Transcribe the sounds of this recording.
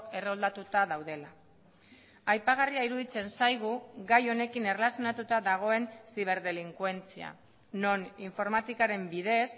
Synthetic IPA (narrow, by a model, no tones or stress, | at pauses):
ke̞reo̞ld̪at̪ut̪aðawðe̞la | ajpaɣ̞ariaiɾuðit͡se̞nsajɣ̞uɣajo̞ne̞kine̞rlasjo̞nat̪ut̪aðaɣ̞o̞e̞nsiβ̞e̞ɾðe̞liŋkwe̞nt͡sia̰ | no̞niɱfo̞ɾmat̪ikaɾe̞mbiðe̞s